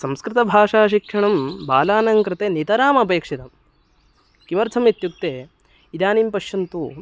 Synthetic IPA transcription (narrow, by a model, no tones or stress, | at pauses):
sɐmskɾɪt̪ɐbʱaːʂaːʃikʂɐɳɐmbaːlaːnɐŋkɾɪt̪eːnit̪ɐɾaːmɐpeːkʂit̪ɐm | kimɐɾt̪ʰɐmit̪juk̚t̪eː | id̪aːniːmpɐʃjɐnt̪u